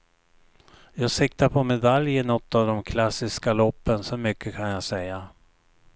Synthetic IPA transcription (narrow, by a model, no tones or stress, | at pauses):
jɑːɡsɪk̚t̪apʰɔmɛd̪aljɪnɔt̪ːavd̪ɔmkʰlasːɪskalɔpːənsɔmʏkːəkʰanjasɛjːa